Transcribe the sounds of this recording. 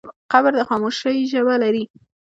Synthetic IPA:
qabəɾd̪əxɑmoʃəiʒəbalaɾi

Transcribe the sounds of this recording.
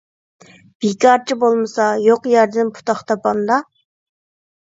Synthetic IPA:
b̥ikʲʰɑɾt͡ʃʰibolˠmɨsɑjoqjæɾd̪ɪnpʰu̥t̪ʰɑχt̪ʰɑpɑnd̪ɑ

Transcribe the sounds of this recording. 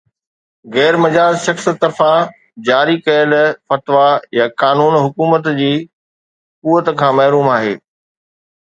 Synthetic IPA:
ɣɛːɾmɐd͡ʑaːd͡ʑʃɐxs̆t̪ɐɾfã | d͡ʑaːɾikɐjəlfɐt̪ʋajakaːnuːnɦʊkuːmət̪d͡ʑiː | kuːət̪kʰãːmɐɦɾuːmaːɦeː

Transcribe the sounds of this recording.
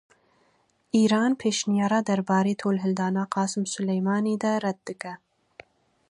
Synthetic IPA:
ʔiːɾɑːnpʰeːʃnijɑːɾɑːd̪ɐɾbɑːɾeːt̪ʰoːlɦɪld̪ɑːnaːqɑːsɨmsʊlɛjmɑːniːd̪ɐɾɛd̪̚ːɨkɛ

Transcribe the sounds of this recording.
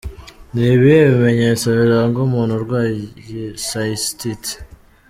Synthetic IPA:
niβijeβime̞ɲet͡saβiɾaŋɡomuːnuɾɡwajesaistit

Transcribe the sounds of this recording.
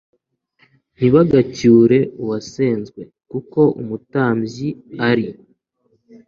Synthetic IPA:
n̥iβaɡacuːɾe̞uwaseːnzɡwe̞ | kuko̞ʔṵmutaːmɟiaɾi

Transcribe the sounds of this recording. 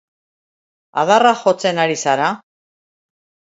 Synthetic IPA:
a̰ðaraxo̞t͡se̞naɾisaɾa

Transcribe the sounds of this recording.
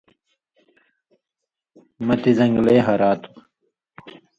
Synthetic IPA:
mɐt̪izɐŋɡleːɦɐɾaːt̪u̥

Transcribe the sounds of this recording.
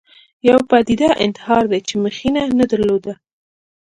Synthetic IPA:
jawpɑd̪id̪aʔɪ̰nt̪ɪ̥hɑɾd̪ajt͡ʃeməxinanad̪əɾlod̪a

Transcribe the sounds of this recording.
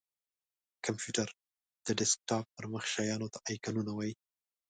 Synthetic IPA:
kampjuʈaɾ | d̪̥əɖɪsk̚ʈɑp̚pəɾməxʃɑjɑnot̪aʔɑjkanunawɑji

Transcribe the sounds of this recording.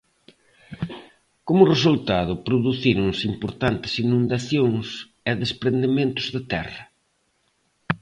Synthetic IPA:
komʊresult̪aðʊpɾʊðuθiɾʊŋsimpoɾt̪ant̪ɪ̥sinũnd̪aθjoŋs | ɛðespɾend̪emẽnt̪ʊzðɪt̪ɛ̰rɐ

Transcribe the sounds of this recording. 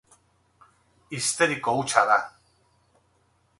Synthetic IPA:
ist̪eɾikout͡ʃaða

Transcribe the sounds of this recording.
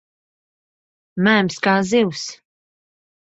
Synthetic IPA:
mæːmskaːziws

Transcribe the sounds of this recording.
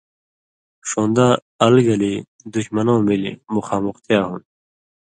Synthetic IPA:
ʂõːnd̪aː | ɐlɡɐli | d̪uɕmɐnõːmilḭmuxaːmuxt̪jaːɦun

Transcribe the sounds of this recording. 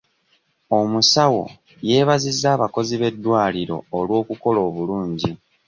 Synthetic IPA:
o̞musawo̞̰ | je̞ːβazizːaːβako̞ziβe̞dːwaːliɾo̞̰ːlwo̞ːkuko̞lo̞ːβuluːɲɟi

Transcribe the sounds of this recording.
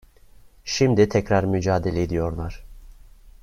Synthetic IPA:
ʃimd̪it̪ʰɛcɾaɾmyd͡ʒaːd̪elʲeed̪ijo̞ɾlˠaɾ̥

